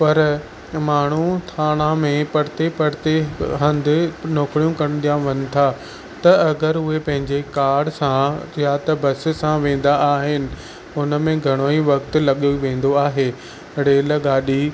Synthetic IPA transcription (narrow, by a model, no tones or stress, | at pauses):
pɐɾ | maːɳ̤ũt̪ʰaːɽ̃ãmẽpɐɽɪt̪epɐɽt̪eɦɐ̃nd̪ɪ̆noːkɽjũkɐɽ̃d̪ijãʋɐnɪ̆t̪ʰa | t̪ɐɐɡəɾʊɦepɐ̃ɦɪ̃ɲd͡ʑekaːɽsãjat̪ɐbɐsɪ̆sãʋẽːn̆d̪aʔaːɦɪnɪ̆ | ʊnəmẽɡʱɐɽ̃oːiʋɐkt̪ɪlɐɠoʋẽːn̆d̪oaːɦeː | ɽeːlɐɠaːɗiː